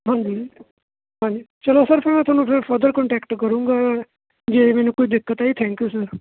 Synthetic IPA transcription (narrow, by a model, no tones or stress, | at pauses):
ɦãːɲd͡ʒiː | ɦãːɲd͡ʒiːt͡ʃɐlosəɾfʰɛɾmɛ̃t̪ʰʊaːnũpeɾfʰəɾd̪əɾkɔɳʈɛːkʈkəɾũːŋɡa | d͡ʒeːmɛːnũkoid̪ɪkːət̪aːit̪ʰɛ̃ːŋkjusəɾ